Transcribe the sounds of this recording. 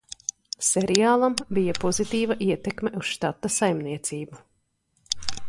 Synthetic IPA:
sɛɾiaːlˠambijɐpɔzit̪iːvaʔiɛt̪ekmeʔust̪at̪ːasajmniɛt̪siːbu

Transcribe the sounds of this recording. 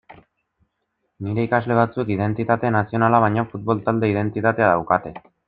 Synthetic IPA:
niɾe̞ikazle̞β̞at͡sukið̞e̞nt̪it̪at̪e̞nasio̞nalaβ̞ajɲafut̪̚βo̞lt̪ald̪e̞ið̞e̞nt̪it̪at̪e̞aðawkat̪e̞

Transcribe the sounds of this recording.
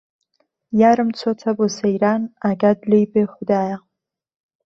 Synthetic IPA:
jaɾɨmt͡sʰotʰabosejɾanaɡadlejbeχʷdaːja

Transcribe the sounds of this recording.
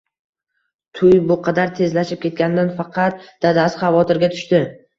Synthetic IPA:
t̪ʰʊjbʊqʰɑd̪aɾt̪ʰe̞zlaʃɪp̚kʲʰe̞t̪̚ɡʲanɪd̪anfɑqʰɑt̪̚d̪̥ad̪asχɑvɒt̪ʰɪɾɡʲat̪ʰʊ̥ʃt̪ɪ

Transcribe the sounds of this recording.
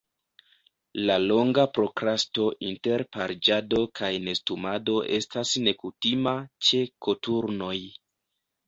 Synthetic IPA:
lalo̞ŋɡapɾo̞kɾasto̞ʔinteɾpaɾd͡ʒado̞kʰajne̞stumado̞ʔe̞̰stasne̞kutimat͡ʃe̞ko̞tuɾno̞j

